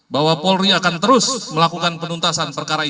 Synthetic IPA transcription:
bawapɔlɾiakant̪əɾʊsməlakukanpənunt̪asanpərkaɾai

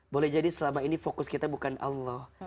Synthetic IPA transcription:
bolɛhd͡ʒadisəlamainifokʊskit̪abukanʔɑ̰lːɔh

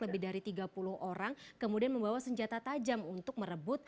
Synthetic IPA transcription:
ləbɪhdaɾit̪iɡapulʊhʔoɾaŋkəmudianməmbawasəɲd͡ʒat̪at̪ad͡ʒamunt̪ʊk̚məɾəbʊt̪̚

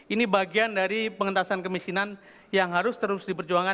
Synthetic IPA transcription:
inibaɡiandaɾipəŋənt̪asankəmisinan | jaŋɦaɾʊst̪əɾʊsdipərd͡ʒuaŋa

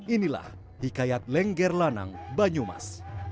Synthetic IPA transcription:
ʔinila̰h | hikajat̪̚lɛŋɡɛrlana̰ŋbaɲuma̰s

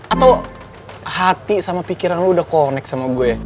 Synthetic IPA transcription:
at̪aw | hat̪isamapikiɾanluudahkonɛk̚samaɡuɛ

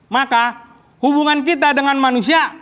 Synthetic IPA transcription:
maka | hubuŋank̬it̪adəŋanmanusia

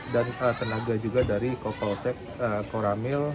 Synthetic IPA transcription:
danət̪ənaɡad͡ʒuɡadaɾikokɔlsɛk | əkoɾamɪl

